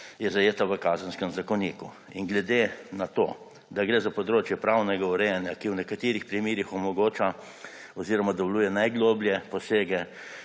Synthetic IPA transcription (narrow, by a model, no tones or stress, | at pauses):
jɛzajeːt̪aʋəkaːzənskəmzakɔniːku | inɡlɛd̪enat̪oː | d̪aɡɾeːzapɔd̪ɾoːt͡ʃjɛpɾawnɛɡauɾɛjɛnjakiwnɛkat̪iːɾixpɾimiːɾixɔmɔɡoːt͡ʃa | ɔziːɾɔmad̪ɔwluːjɛnajɡloːbljɛpɔseːɡɛ